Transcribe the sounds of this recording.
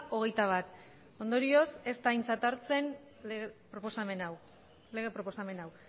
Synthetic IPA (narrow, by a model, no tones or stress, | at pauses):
ʔo̞ɣ̞e̞jt̪aβ̞at̪ | o̞nd̪o̞ɾio̞se̞st̪ajnt͡sat̪aɾt͡se̞n | ɣpɾoposame̞naw | le̞ɣ̞e̞pɾoposame̞naw